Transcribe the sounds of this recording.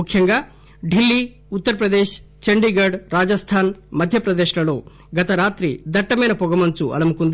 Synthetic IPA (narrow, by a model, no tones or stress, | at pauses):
ukʰjɐŋɡɐ | ɖilːi | ut̪ːɐɾɐpɾɐd̪eːʃ | t͡ʃɐɳɖiɡɐɾɖɾaːd͡ʒɐst̪ʰaːnmɐd̪ʱjɐpɾɐd̪eːʃɐɡɐɭu | ɡɐt̪ɐɾaːt̪ɾḭd̪ɐʈːɐmeːnɐpɔɡɐmɐnt͡ʃuʔɐ̰lɐmukund̪